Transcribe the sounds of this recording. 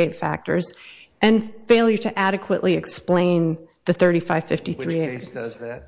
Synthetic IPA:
eɪtfæ̰k̚tə̰˞zʔɨ̃nfeɪlˠjə˞ɾɨʔæɾɨkʰwəʔlʔiɨksplẽɪ̃nðɨθɜ˞ɾifaɪv̥fɪftiθɹieɪɪt

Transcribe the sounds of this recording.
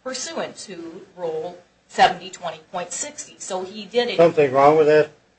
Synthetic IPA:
pʰə˞sʉɪ̃ŋtʰɨɹoʊlˠ | sɛvn̩titʰw̥ɛ̃ɾ̃ipʰɔ̃ɪ̃ntsɪkstisoʊidɪɾsʌ̃mθɪ̃ŋɹɔ̃ŋwɨðɨt̚

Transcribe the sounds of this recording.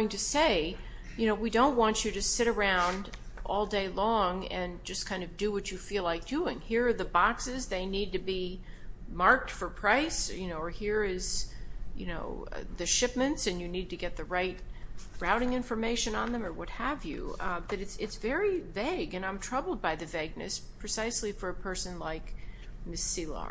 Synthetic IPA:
oʊɪ̃ŋtʰɨseɪ | jɨnoʊwidõʊ̃nʔwɑ̃nt͡ʃɨɾɨsɪɾə˞ãʊ̃nd | ʔɔlˠdeɪlɔ̃ŋɨ̃nd͡ʒʌskʰãɪ̃ndʌvdɨwʌt͡ʃɨfilaɪk̚d̥ʉɪ̃ŋhiɹə˞ðəbɑksɪzðeɪnid̚tɨbi | mɑɹk̚tfə˞pʰɹ̥aɪsjɨnoʊə˞hiɹɪz̥jɨ̰noʊ̰ðɨʃɪp̚mɨ̃ntsɨ̃njɨnid̚tɨɡɛt̪̚ðɨɹaɪt̚ɹaʊɾɪ̃ŋɪ̃ɱfə˞meɪʃɨ̃nə̃nðɨ̃mə˞wʌt̚həvjʉ̰b̥ʌɾɨtsɪtsvɛɹiveɪɡɨ̃ñãɪ̃mtʰɹ̥ʌbl̩ˠd̚baɪðɨvæɪɡ̚nɨ̰spʰɹ̥ɨsaɪslifə˞ɨpʰɜ˞sɨ̃nlaɪk | mɪsilˠɑ̰

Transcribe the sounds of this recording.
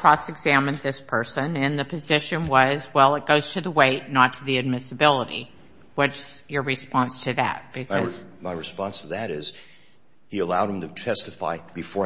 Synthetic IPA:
kʰɹ̥ɔsɨɡzæmɨ̃nðɪspʰɜ˞sɨ̃nɨ̃nðɨpʰɨzɪʃɨ̃nwʌzwɛlˠət̚ɡ̥oʊz̥tʰɨðəweɪtⁿnətʰɨðiɨd̚mɪsɨbɪlˠəɾḭ | wʌtsjə˞ɹɨspɑ̃nstʰɨðɨ̰t̚b̥ɨkʰʌzmaɪɹɨspɑ̃nstʰəðɨɾɪz̥ | hiəlaʊd̃̚mtʰɨtʰɛstɨfa̰ɪb̥ɨfɔ

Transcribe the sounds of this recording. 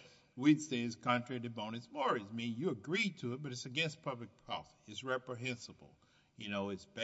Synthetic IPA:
widsdeɪɨz̥kʰɑ̃ntɹ̥æɾɨd̚mõʊ̃ñɨtsmɔɹɨzmĩnjɨːɡɹitʰɨːt̚b̥ʌɾɨtsɨɡɛ̃nst̚pʰʌblɨk̚pʰaʊsɨtsɹɛpɹɨɦɛ̃nsəbl̩ˠ | jɨnoʊɨtsb̥

